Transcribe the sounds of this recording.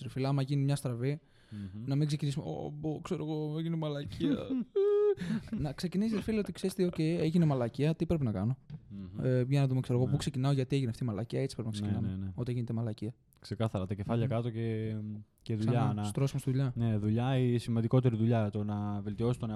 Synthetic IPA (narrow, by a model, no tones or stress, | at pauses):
ɾifilɐɐmɐʝinimɲɐst̪ɾɐvi | nɐmiɡse̞cinisumeo̰bokse̞ɾoɣoʝinemɐlɐcʰiɐ | nɐkse̞cinisisɾfilo̞t̪ikseɾest̪eoce̞eʝinemɐlɐciɐt̪ipɾe̞pinɐkɐno̞eʝɐnɐðumekseɾoɣo̞pukse̞cinɐoʝɐt̪ie̞ʝineɐft̪imɐlɐciɐet͡si̥pɾpinɐkseinɐmeneo̞t̪ieʝinet̪emɐlɐciɐ | kse̞kɐθɐɾɐt̪ɐcefɐʎɐkɐt̪o̞ce̞ | ceðuʎɐnɐst̪ɾo̞simost̪iðuʎɐneðuʎɐisimɐnd̪iko̞t̪e̞ɾiðuʎɐt̪o̞nɐve̞lt̪io̞si̥t̪o̞ne